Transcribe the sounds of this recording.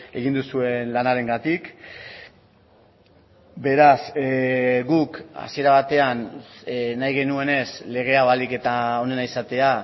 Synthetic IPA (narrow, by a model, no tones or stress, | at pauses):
e̞ɣind̪usue̞nlanaɾe̞ŋɡat̪ik | be̞ɾas | ɡuka̰sie̞ɾaβ̞at̪e̞an | najɣ̞e̞nue̞ne̞sle̞ɣ̞e̞aβalike̞t̪ao̞ne̞naisat̪e̞a